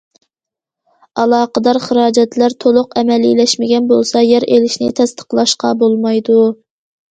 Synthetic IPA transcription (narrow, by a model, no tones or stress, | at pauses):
ɑlˠɑːqəd̪ɑɾχəɾɑːd͡ʒɛt̪læɾt̪ʰolˠʊqɛmɛlḭlɛʃmɪɡʲɛnbolˠsɑjɛɾʔelɪʃnɪ̰t̪ʰɛst̪ʰə̥qlˠɑʃqɑ̰bolˠmɑjd̪u